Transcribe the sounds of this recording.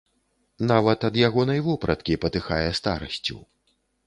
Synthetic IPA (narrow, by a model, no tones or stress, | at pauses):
navɐt̪ɐd̪jaɣɔnɐjvɔpɾɐt̪kʲipɐt̪ɨxajɛst̪aɾɐ̰sʲt͡sʲṵ